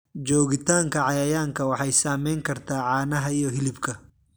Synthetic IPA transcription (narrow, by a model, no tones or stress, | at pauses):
d͡ʒɔːɣɪt̪ʰaːŋkʰɐʕɑjɐjaːŋkʰɐwɑħɑjsaːmɛjŋkʰɐrt̪ʰaːʕɑːnɐɦɐijɔɦɪlɪbkʰɐ